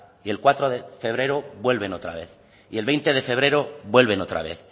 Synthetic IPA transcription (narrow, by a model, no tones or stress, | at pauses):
ie̞lkwat̪ɾoðefe̞β̞ɾe̞ɾoβwe̞lβe̞no̞t̪ɾa̰β̞e̞̰θ | ielβejnt̪e̞ðe̞fe̞βɾe̞ɾoβwe̞lβ̞eno̞t̪ɾa̰β̞e̞θ